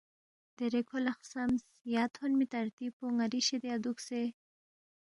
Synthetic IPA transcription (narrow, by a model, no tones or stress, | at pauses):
d̪̥eɾekʰolaxsams | jɑt̪honmit̪aɾt̪ipoŋaɾiʃed̪ead̪ukse